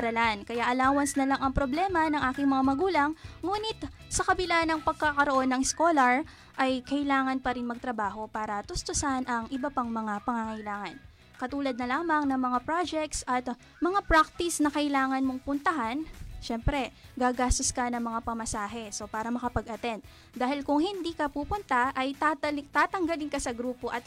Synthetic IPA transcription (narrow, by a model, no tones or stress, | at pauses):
ɐɾɐlankɐjaʔɐlaːwɐnsnɐlaŋɐŋpɾo̞blɛːmɐnɐŋʔaːkɪŋmɐŋamɐɡuːlɐŋːuːnɪt̪ | sɐkɐbɪlanɐŋpɐɡ̚kakɐɾoʔo̞nːɐŋskolɐɹ | ʔɐjkɐʔɪlaːŋɐnpɐɾinmɐɡ̚t̪ɾɐbaːɦo̞paːɾɐt̪ʊst̪ʊsanʔɐŋʔɪbɐpaŋmɐŋapɐŋaŋɐʔɪlaːŋɐn | kɐt̪uːlɐd̪̚nɐlaːmɐŋnɐŋmɐŋapɾad͡ʒɛk̚t̪sʔɐt̪ | mɐŋapɾak̚t̪ɪsnɐkɐʔɪlaːŋɐnmo̞ŋpʊnt̪ɐɦanʃɛmpɾɛɡaːɡaːst̪oskɐnɐŋmɐŋapɐmɐsaːɦɛso̞paːɾɐmɐkɐpɐɡʔɐt̪ɛnt̪̚ | d̪aːhɪlkʊŋhɪnd̪iːkɐpuːpʊnt̪ɐʔɐjt̪at̪aːt̪ɐŋɡɐlɪŋkɐsɐɡɾuːpo̞ʔɐt̪̚